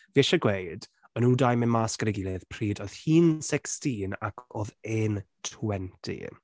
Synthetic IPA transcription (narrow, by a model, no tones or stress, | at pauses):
veʃaɡwejd | ənuːdajmɪnmaskəɾɪɡilˠɛð̥pʰriːdɔð̥hiːnsɛkstiːna̰kʰoːðeːntʰwɛntʰḭ